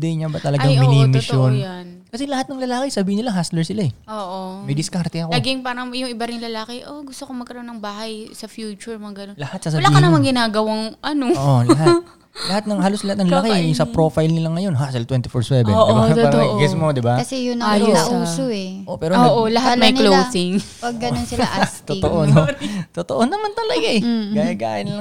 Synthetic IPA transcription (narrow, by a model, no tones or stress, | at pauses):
d̪ɛjɲabɐt̪ɐlɐɡaŋmɪiːmɪʃjonankɐsɛlɐhat̪nɐŋlɐlaːkɪsɐbiːhɪnɪlaɦaslɛɹsɪlaɛʔoːʔomɐjd̪ɪskaɾt̪ɛɐkolɡɪŋpaːɾɐŋjʊŋɪbɐɾɪŋlɐlaːkɛʔoɡʊst̪okomɐɡkɐɾɐʔonːɐŋbaːhɐjsɐfjuːt͡ʃʊɹmɐɡɐnonlɐhat̪̚sɐsɐɐlaiːhɪnɐmaŋɡɪnaːɡɐwaŋʔɐnoʔolɐɦat | lɐhat̪̚nɐŋhaːloslɐhat̪̚nɐŋɐlakiʊsɐpɾofajlnɪlɐŋːɐjo̞nɦasɪlt̪wɛnt̪ɪfoɹswɛɛ̰oʔaɡɛsmod̪ɪbakɐsɛjʊnɐjuːsoɛʔopɛːɾooʔolɐɦat̪̚mɐjklowsɪŋ | pɐɡːɐnonsɪlt̪ʊʔonot̪ot̪oʔonɐmant̪ɐlɐɡaɛɡɐɡaɡa̰ːʔɪnlɐ